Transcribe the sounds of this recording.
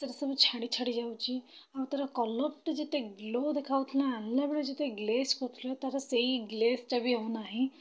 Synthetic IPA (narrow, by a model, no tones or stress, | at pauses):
səɾsəmət͡ɕʰaɽit͡ɕʰəɽid͡ʑawt͡ɕi | awt̪aɾakɔləp̚ʈd͡ʑet̪eɡlod̪ekʰaʋt̪ʰlaanljabeɭed͡ʑet̪eɡleskot̪ʰlɔt̪aɾaseiɡlest͡ɕabʱiɦownaɦi